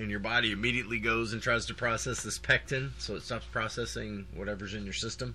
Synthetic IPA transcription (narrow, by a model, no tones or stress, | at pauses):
ɨ̃njə˞bɑɾiɨmiɾiɨʔˡliɡoʊzɨ̃ntʰɹ̥aɪz̥tʰɨpʰɹ̥ɔsɛsðɨspʰɛk̚tɨ̃nsoʊətstɑpspʰɹ̥ɑsɛsɪ̃ŋwʌ̰ɾɛvə˞zɨ̃njə˞sɪstə̃m